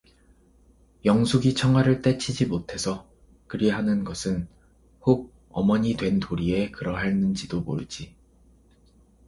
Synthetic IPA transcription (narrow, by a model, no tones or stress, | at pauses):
jʌŋsʰuɡit͡ɕʰʌŋwaɾɯɭt͈e̞t͡ɕʰid͡ʑimotʰe̞sʰʌ | kɯɾeɦanɯnɡʌsʰɯn | hoɡ̚ | ʌ̰mʌɲidwe̞ntoɾie̞kɯɾʌɦaɭnɯnd͡ʑidomo̰ɾɯd͡ʑi